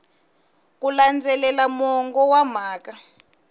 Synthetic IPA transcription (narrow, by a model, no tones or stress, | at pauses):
k̬uland͡zɛlɛlamɔŋɡɔwam̤aːka